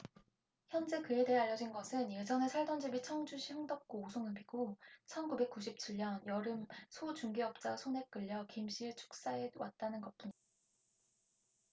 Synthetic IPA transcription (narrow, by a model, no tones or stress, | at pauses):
çjʌnd͡ʑe̞kɯe̞deeaʎːʌd͡ʑinɡʌsʰɯnid͡ʑʌne̞sʰaɭdʌnd͡ʑibit͡ɕʰʌŋd͡ʑuɕʰiɦɯŋdʌp̚k͈oːsʰoŋɯnbiɡot͡ɕʰʌnkube̞k̚k͈uɕʰip̚t͡ɕʰiʎːʌnjʌɾɯmsʰot͡ɕuŋɡiʌp̚t͡ɕ͈asʰone̞k͈ɯʎːʌkimɕʰiɭt͡ɕʰu̥k̚s͈ae̞wat̚t͈anɯnɡʌt̚p͈uɲi